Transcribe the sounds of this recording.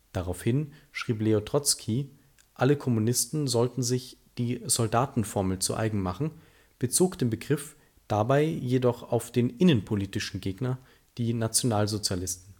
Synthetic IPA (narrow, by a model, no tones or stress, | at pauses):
d̥aʁaʊfhɪnʃʁ̥iːp̬leotʁ̥ɔt͡skʰi | ʔaləkʰɔmunɪstn̩zɔltn̩zɪçd̥iːzɔldaːtn̩fɔɐml̩t͡sṵʔa̰ɪɡŋ̩maχn̩ | b̥ət͡soːkd̥eːmnbəɡʁɪf | d̥abaɪjedɔχa̰ʊfd̥eːnʔɪnənpʰoliːtɪʃn̩ɡeːɡnɐ | d̥iːnat͡sjonaːlzot͡sjalɪstn̩